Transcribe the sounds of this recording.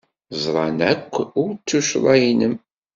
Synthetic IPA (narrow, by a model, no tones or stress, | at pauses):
zˤɾˤɑnækʷːʊɾt͡sːuʃlˤɑjinəm